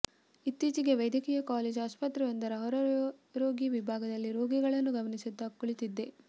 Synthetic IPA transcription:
it̪ːiːt͡ʃiɡe̞ʋɐjd̪ʱjɐkiːjɐkaːleːd͡ʒaːspɐt̪ɾɐʋɐnd̪ɐɾɐɦɔɾɐɾɾoːɡiʋibʱaːɡɐd̪ɐlːiɾo̞ːɡiɡɐɭɐnːuɡɐmɐnisid̪ːɐkoɭit̪id̪ːe̞

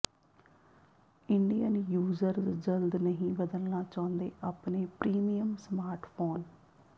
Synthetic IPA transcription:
ɪɳɖijəːnijuːzəɾd͡ʒəld̪nəɦĩːbəd̪əlnaːt͡ʃãːʊ̃nd̪eːʔaːpneːpɾiːmijəmsmaːɾʈʰpʰoːn

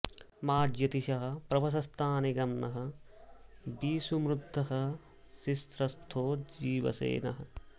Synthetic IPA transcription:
maːd͡ʒjɐt̪iʃɐɦɐ̆pɾɐbɐs̬ɐst̪ʰaːniɡɐmnɐɦɐ̆ | biːsumɾud̪ʱːɐɦɐ̆ | sist̪ɾɐst̪ʰoːd͡ʒiːʋɐ̰sḛːnɐ̰ɦɐ̆

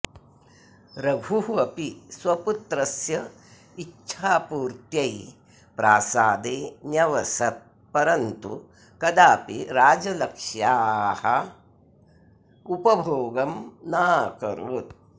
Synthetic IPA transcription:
ɾɐbʱuɦɐpiswɐput̪ɾɐsjɐ | iʃʰaːpuːɾt̪jɐj | pɾaːsaːd̪eːnjɐʋɐsɐt̪̚ | pɐɾɐnt̪ṵ | kɐd̪aːpiɾaːd͡ʒɐlɐkʂjaːhɐ | upɐbʱoːɡɐmnaːkɐ̰ɾut̪̚

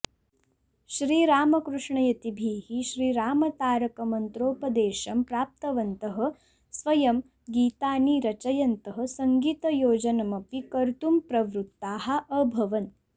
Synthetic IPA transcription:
ʃɾiːɾaːmɐkɾuʂɳɐjɐt̪ibʱiːhiʃɾiːɾaːmɐt̪aːɾɐkɐmɐnt̪ɾoːpɐd̪eːʃɐmpɾaːp̚t̪ɐʋɐnt̪ɐɦɐ̆ | sʋɐjɐm | ɡiːt̪aːniːɾɐt͡ʃɐjɐnt̪ɐɦɐ̆sɐŋɡiːt̪ɐjoːd͡ʒɐnɐmɐpikɐɾt̪umpɾɐʋɾut̪ːaːɦɐ̆ʔəbʱɐʋɐn

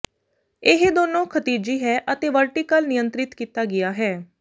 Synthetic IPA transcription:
ɪɦd̪oːnõːkʰət̪iːd͡ʒiːɦɛːʔət̪eːʋəlʈiːkəlnɪjənt̪ɾɪt̪kiːt̪aːɡɪjaːɦɛː

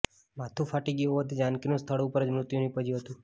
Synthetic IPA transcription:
mat̪ʰufʰaʈiɡioɦət̪id͡ʒankinũst̪ʰəɭõːpəɾəd͡ʒmɾʊt̪junipəd͡ʒiɦət̪ũ

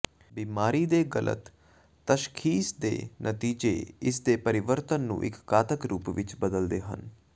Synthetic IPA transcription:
biːmaːɾiːd̪eːɡəlʔə̰t̪ː | əʃkʰiːsd̪ḛːnʔət̪iːd͡ʒḛːɪsd̪eːpəɾɪʋəɾt̪ənːṵ̃ːʔɪ̰kːaːt̪əkɾuːpʋɪt͡ʃbəd̪əld̪eːɦə̰n

